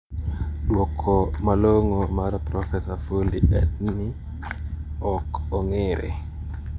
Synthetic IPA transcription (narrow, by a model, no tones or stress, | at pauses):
ɗwɔkʰːɔmalɔŋɔmaɾapɾɔfɛsafoliɗɛ̰ɗni | ɔkɔŋɛɾɛ̰